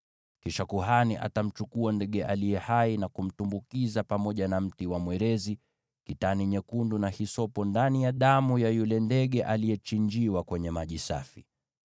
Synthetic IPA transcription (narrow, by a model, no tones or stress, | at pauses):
kiʃakuɦaniʔa̰tam̩t͡ʃukuandɛɠɛʔalijɛhainakum̩tumbukizapamɔʄanam̩tiwamwɛɾɛzi | kitaniɲɛkundunahisɔpɔndanijaɗamujajulɛndɛɠɛʔalijɛt͡ʃiɲd͡ʒiwakwɛɲɛmaʄisa̰fi